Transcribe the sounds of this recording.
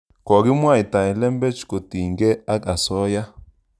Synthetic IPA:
kɔ˨ɡi˦mwa˦˨i˨t̪ã˨ɛ˨lɛ˦mbɛ˦t͡ʃko˨t̪i˨ŋɡɛ˦a˦ka˨sɔ˦ja˦

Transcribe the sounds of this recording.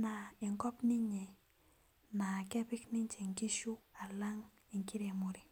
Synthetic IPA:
na˨i˨ŋkɔ˦pni˦ɲɛ˨ | na˨kɛ˦pɪ˦kni˦ɲt͡ʃe˨ŋki˦ʃu˦a˨la˦ŋ | i˨ŋki˦ɾe˨mu˨ɾi˨

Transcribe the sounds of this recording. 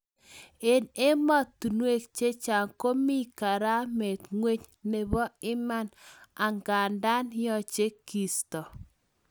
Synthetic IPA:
e˨ne˦mɔ˦tu˨nwe˦k̚t͡ʃe˦t͡ʃa˨ŋko˦mi˦ka˨ɾa˦me˨tŋwe˦t͡ʃ | ne˨βɔ˦ɪ˦ma˦na˨ŋɡa˨nda˦njɔ˨t͡ʃe˦ki˨stɔ˨

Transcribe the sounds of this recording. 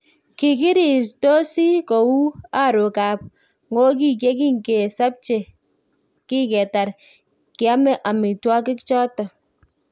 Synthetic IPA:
ki˨ki˦ɾi˨s̬to˦si˦ko˨wu˦a˦˨ɾo˨ka˨p̚ | ŋɡo˦k̬i˦˨k̬e˦k̬i˦ŋke˨sa˦p̚t͡ʃe˨ | ki˦kɛ˨ta˨ɾ | kɪ˨a˦mɛ˦ʔa˨mi˨twa˦k̬ɪ˦kt͡ʃɔ˦tɔ˨

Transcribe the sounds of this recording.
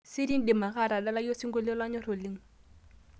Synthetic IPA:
sɪ˦di˦ŋ̩˦di˨ma˨χa˦˨ɾa˨da˦la˦jo˦si˦ŋɡʊ˦lɪ˦lwa˦ɲɔ˦ro˨lɪ˦ŋ̩˦

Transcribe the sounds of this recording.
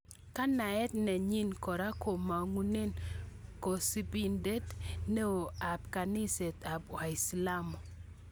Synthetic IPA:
ka˦na˨ɛ˦tnɛ˨ɲi˦nkɔ˨ɾa˦ko˨ma˨ŋu˦ne˦nko˨si˦pi˦nde˦tne˦o˨a˨p̚ka˨ni˦se˨ta˨bwa˨i˨sla˦mo˨

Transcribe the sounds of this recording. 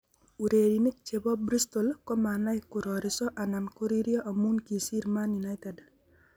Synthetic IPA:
uɾe˨ɾini˦k̚t͡ʃe˨bɔ˦bɾist̪ɔlkɔ˦mana˦ɪkʊɾɔɾɪsɔ˦ʔa˨na˨nko˦ɾiɾjɔ˦ʔa˨munkisi˦ɾma˦njuna˦jt̪ɛd

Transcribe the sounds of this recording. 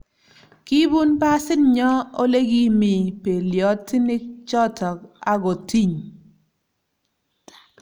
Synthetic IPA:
ki˦bu˦npa˦sɪ˦nɲɔ˦o˦le˦ɡi˦mɪ˨pe˨ljɔ˨˦ti˦nɪ˦k̚t͡ʃɔ˦tʰɔ˨ka˦ɡo˨ti˦ɲ

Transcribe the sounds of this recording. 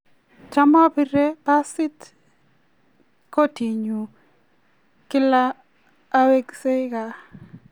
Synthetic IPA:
t͡ʃa˦ma˦pi˦ɾe˦pa˦sɪ˦t | ko˦ti˨ɲu˨ | kɪ˦laː˦ | we˦ɡse˦ka˨

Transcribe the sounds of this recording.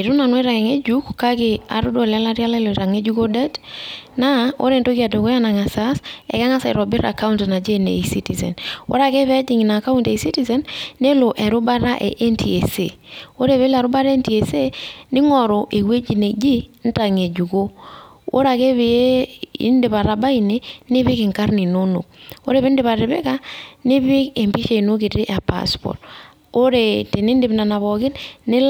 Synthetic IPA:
i˨ɾu˦na˨nwi˦ɾa˨ke˨ŋe˦d͡ʒu˦kːa˦kɪ˨a̰˨ɾʊ˦do˦la˦la˦ɾja˦la˦i˦lo˨ɾa˨ŋe˦d͡ʒu˦ko˦da˦dna˦o̰˦ɾe˨nto˦ka˨to˨ko˦ja˦na˨ŋa˨sa˦sɛ̰˨ka˦ŋa˦sa˨i˨ɾɔ˨bɪ˦ɾa̰˨ka˦u˦ntna˨d͡ʒe˦nḛ˨si˦ti˨sḛ˨nwo̰˦ɾa˦˨ke˦βɛ˦d͡ʒi˨ŋ˨na˨ka˦u˦nte˨si˦ti˦˨se˨nːe˦lo˨ʔɛ˨ɾʊ˦ba˦ɾa˦ʔḛ˨ʔe˦nti˨e˨se˨o˦ɾe˦˨βe˦la˨ɾʊ˦ba˦ɾe˦nti˨e˨se˦nɪ˦ŋɔ˨ɾo˨ʔe˨we˦d͡ʒi˨ne˨d͡ʒi˦n̩˦ta˨ŋe˨d͡ʒu˨ko˦ | ʔo̰˦ɾa˨ke˦βi˨e˦ḭ˦ndɪ˨pa˨ɾa˨ba˦i˨ne˦nɪ˦βɪ˦kɪ˨ŋka˦ɾni˨no˦no̰˨k̚o̰˦ɾe˦˨βi˦n˦dɪ˦βa˨ɾe˨be˦ka˦nɪ˦bɪ˦ke˨mpi˦ʃe˨i˨no˦ki˨te˦ʔa˨pa̰˦spɔ̰˨t | o˦ɾe˨te˨ni˦n˦dɪ˨bna˨na˨βɔ˨kɪ˦tnɪ˦l

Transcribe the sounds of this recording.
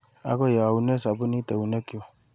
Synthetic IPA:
a̰˨˦kɔ˦ja˨a˨u˨nɛ˦sa˨bʊ˦ni˦tɛ˨u˨nɛ˦ki˦wɔ˨

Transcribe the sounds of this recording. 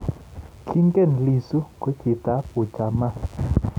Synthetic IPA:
kʰi˦ŋkɛ˦˨n˨li˨su˦kwɛ˨˦kʰi˨ta˨˦po˨t͡ʃa˨ma˦˨

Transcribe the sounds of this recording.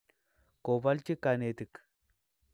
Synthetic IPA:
kobɐ˦lt͡ʃɪ˦kːanet̪ɪ˨k

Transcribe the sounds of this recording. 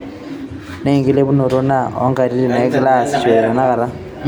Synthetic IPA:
ne˦˨ŋɡi˦le˦βu˦no˨ɾo˦na˦o̰˦ŋɡa˨ɾi˦ɾi˨na˨˦ɡla˦˨st͡ʃe˨ɾo˨na˦ka˨ɾa˦

